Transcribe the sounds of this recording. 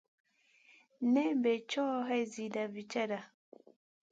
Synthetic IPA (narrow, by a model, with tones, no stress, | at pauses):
nɛ˦bɛ˨t͡ʃɔ˦ɦɛ˦˨zi˨da˨vi˨t͡ʃa˦da˨